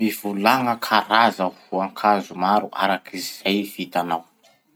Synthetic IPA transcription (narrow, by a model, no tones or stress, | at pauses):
miv̥ulaŋəkʰaɾazahuaŋkʰazumaɾuʔa̰ɾakiziz̥ajfit̪anaw